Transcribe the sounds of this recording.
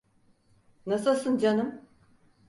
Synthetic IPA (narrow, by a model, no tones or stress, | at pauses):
nasɯlˠsɯnd͡ʒanɯm